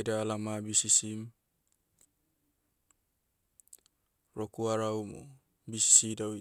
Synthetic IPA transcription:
jdaːlamabisisim | ɾokuaɾawmo̰ | bisi̥sidaw

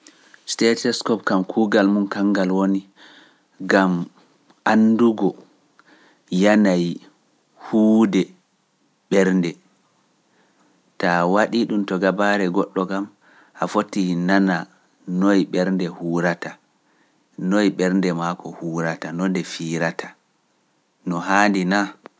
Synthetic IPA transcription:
stɛtɛskɔpkamkʰuːɡalmunkaŋɡalwoni | ɡam | ʔanːduɡɔ | janaj | huːdɛ | ɓɛɾndɛ | tawaɗiɗumtɔɡabaɾɛɡɔɗːɔɡam | ʔafotːinana | nojɓɛɾndɛhuːɾata | nojɓɛɾndɛmakɔhuːɾatanɔndɛfiːɾatʰḁ | nɔɦaːndina

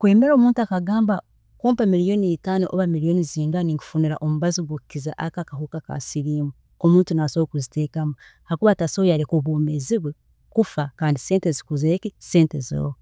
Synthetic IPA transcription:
kwe̞ːmeɾo̞ːmuːntuakaɡaːmba | kuːmpamiɾijo̞nijitaːnuʔo̰βamiɾijo̞niziːŋɡaniŋku̥funiɾa̰ʔomuβaziɡwukiza̰ʔakakaɦukaka̰siɾiːmu | komuːntunasookuziteːkamu | hakuβatasojaɾekoβoːmeziβwe | kufakaːndiseːntezi̥kuzekise̞ːntezo̰ːwo

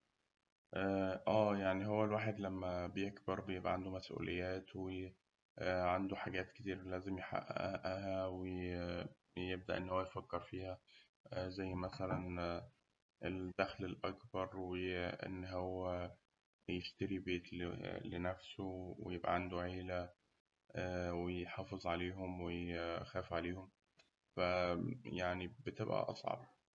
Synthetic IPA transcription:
ʔæːʔæːjaʕniɦowːælwaːħed̪læmːæbejekbɑɾˤbejebʔæ̰ʕand̪omæsʔṵːlʔejːæːt̪we | ʕand̪uħaɡæːt̪ke̥t̪iːɾlæːzemjeħa̰ʔæ̰ʔæhæwe | jeb̚d̪æʔenːhowːæjefækːeɾˤfiːhæ | zæjːmæsælæn | ʔeld̪̥æxlelʔɑkbɑɾˤweʔḛnːɦowːæ | jeʃt̪æɾibeːt̪llenæfsowḛjebʔæ̰ʕand̪uʕeːlæ | wejħɑːfɨzˤʕaleːɦomwexæːfʕaleːhom | fæjaʕnibɪt̪ebʔæ̰ʔɑ̰sˤʕɑ̰b̚

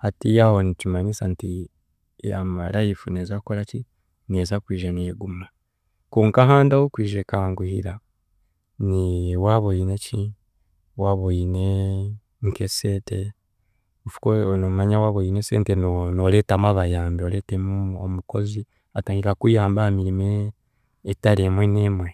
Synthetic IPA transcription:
hatijaho̞nicimaɲisanti | amaɾajifuneːzakukoɾaci | neːzakwiːʒanijeɡuma | koːŋkaɦaːndawokwiːʒekaːŋɡuhḭɾa | niwaβoineci | waβoine | ŋkese̞ːte | ofkonomaɲawaβoinesḛːntennoɾe̞tamaβajaːmbioɾe̞temuomuko̞zi | ataːɲɟikakujaːmbamiɾimeː | taɾemweneːmwe̞

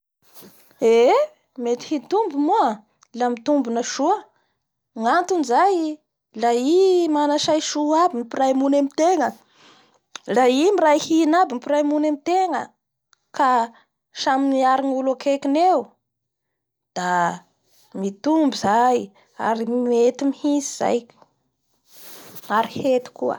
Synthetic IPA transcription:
e | met̪i̥hit̪umbumuə | lamit̪umbunəʃuə | ŋant̪unizaj | laimanaʃajʃuabimipirajmunemit̪eŋə | laimirajhinabimipiɾajmunemit̪eŋə | ka | ʃaminiaɾinulakekinew | d̪̥a | mit̪umbizaj | a̰ɾimet̪imihiziz̥a̰jk | aɾihet̪i̥kuə̰

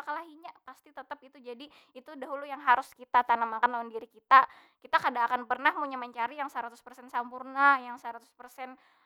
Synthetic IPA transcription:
akəlaɦiɲapast̪it̪ət̪əp̚it̪ud͡ʒadiː | t̪udaɦulujaŋɦaɾʊskit̪at̪anamakanlaandiɾikit̪a | kit̪akadaŋakanpərnahmuɲamaɲt͡ʃaɾijaŋsaɾat̪ʊspərsɛnsampurnajaŋsaɾat̪ʊ̥spərsɛn

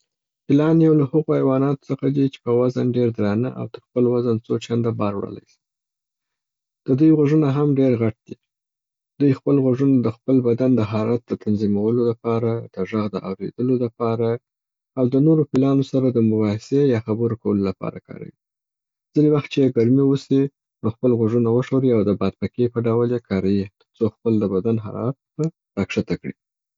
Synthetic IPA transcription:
pɪlɑnjawlahəɣoajwɑnɑt̪o̥t͡səxad̪it͡ʃe̥pəwazanɖeɾd̪ɾɑna̰ʔa̰wt̪əɾxpəlwazənt͡sot͡ʃand̪abɑɾwɽə̰la̰jsi̥ | d̪̥əd̪ujɣwaʒunaɦamɖeɾɣaʈ̚d̪̥i | d̪̥ujxpəlɣaʐunad̪əxpəlbad̪and̪əɦɑlat̪̚d̪ət̪ʰanzimawəlolapɑɾad̪̥əʒaɣd̪əʔawɾḛd̪əlolapɑɾa | awd̪ənoɾopɪlɑnosaɾad̪əmʊbɑhɪsejɑxabəɾokawəlolapɑ̰ɾa̰kɑ̰ɾa̰wi | z̥iniwaxt̪̚t͡ʃeɡaɾmiwusi | noxpəlɣaʐunawəʂoɾiawd̪əbɑd̪̚pakepəɖawljekʰɑɾawit̪əɾt͡soxpəld̪əbad̪anɦɑ̰ɾɑ̰t̪̚pə | ɾɑkʂat̪akɽi

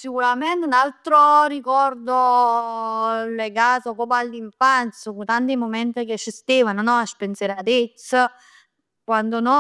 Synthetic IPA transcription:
sikuɾament̪eunalt̪ɾorikɔrd̪o | leɡaːt̪okɔːpoald̪iɱfant̪sokunt̪ant̪imoment̪eket͡ʃːist̪eːvanonɔaspenseɾat̪et̪sːa | kwand̪onɔ

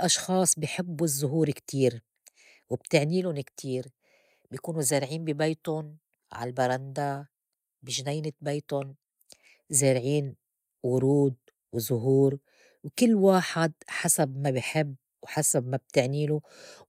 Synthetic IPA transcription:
ʔɑʃxɑːsˤbɪħɪbːʊzˤːʊɦuːɾkt̪ʰiːɾ | wɪb̥̚t̪ɪʕniːlʊnkt̪ʰiːɾ | bikuːnuzeːɾʕiːnbibeːt̪ʊn | ʕa̰lbɑɾˤɑnd̪a | biʒnajnɪt̪̚beːt̪ʊn | zeːɾʕiːn | wʊɾuːd̪̚ | wzʊɦuːɾ | wkɪlːwaːħad̪̚ħasabmabɪħɪbː | wħasabmab̚t̪ɪʕniːlu

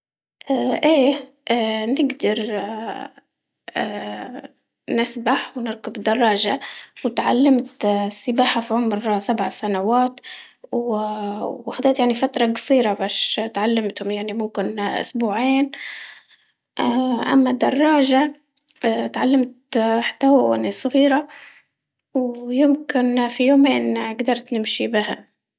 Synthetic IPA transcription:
ʔaʔeː | ʔaːnɪɡd̪ɑɾˤ | nɪsbaħwnɪɾkabd̪ɑrˤːɑːʒawɪt̪ʕa̰lːɪmt̪sːɪbaːħafiʕʊmɾsabʕasanawaːt̪ | w | wxd̪eːt̪jaʕnifat̪ɾˤɑɡɑsˤiːɾabaːʃt̪ʕalːɪmt̪hʊmjaʕnimʊmkɪnʔʊ̰sbuːʕeːn | ʔaʔa̰mːad̪ɑrˤːɑːʒa | t̪ʕalːɪmt̪ħḁt̪ːahuːʔʔɪnisˤɑɣiːɾɑ | wjɪmkɪnfijoːmeːnɡd̪ɑɾˤt̪nɪmʃibɪha

